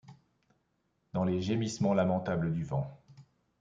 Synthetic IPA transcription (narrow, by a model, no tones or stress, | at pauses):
d̪̥ɑ̃leʒemismɑ̃lamɑ̃t̪abləd̪yvɑ̃